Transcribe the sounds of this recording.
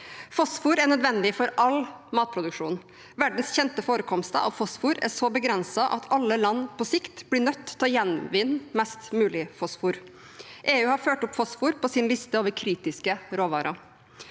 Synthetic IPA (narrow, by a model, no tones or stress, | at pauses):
fɔsfuːɾæɳœd̪ʋɛnd̪ɪfɔɾʔɑlmɑːt̪̚pʰɾʊd̪ʉkʂṵːn | ʋæɖn̩sçɛnt̪əfoːɾəkʰɔmst̪ə̰ʔɑ̰ʋfɔsfuːɾæ̰sɔbəɡɾɛnsɑʔɑ̰t̪ʰɑlːəlɑnːpʰɔsɪkt̪b̥lɪɳœt̪ːʰɔjɛnʋɪnːmɛst̪mʉːlɪfɔsfuːɾ | ʔeːʉːhɑɾføːʈʊpfɔsfuːɾpʰɔsɪnlɪst̪əoːʋəɾkʰɾiːt̪ɪskəɾoːʋɑ̰ːɾʔɑ